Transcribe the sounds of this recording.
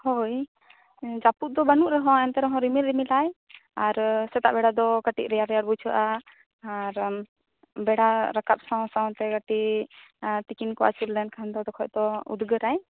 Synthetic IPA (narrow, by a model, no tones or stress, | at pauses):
hoj | d͡ʒapuʔ̪̚d̪ɔbanuʔɾɛɦɔ̃ɛnt̪ɛɾɔɦɔ̃ɾimiɾɾimilajaɾsɛt̪a̰ʔbɛɽad̪ɔɡaʈḭʔɾɛjaɾɛjaɽ̚but͡ʃʰəʔaː | ɾ | bɛɽaɾəkat̪̚saw̃sãw̃t̪ɛɡaʈi | t̪ikinkɔa̰t͡ʃulːɛnkʰand̪ɔd̪ɔkʰɔjʔd̪ɔṵd̪ɡəɾaj